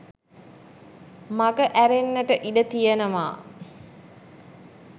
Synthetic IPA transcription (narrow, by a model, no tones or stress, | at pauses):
maɡəʔæɾenːəʈəʔidət̪ijənəʋa̰ː